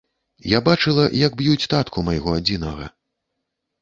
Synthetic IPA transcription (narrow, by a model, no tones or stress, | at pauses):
jabat͡ʂɨlˠɐjɐɡbjut͡sʲt̪at̪kʰumɐjɣɔad͡zʲinɐɣɐ̰